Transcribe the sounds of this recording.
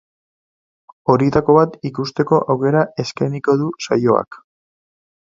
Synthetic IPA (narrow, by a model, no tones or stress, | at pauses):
o̞ɾit̪ako̞βat̪ikust̪e̞ko̞ʔawke̞ɾae̞skajniko̞ðusajo̞a̰k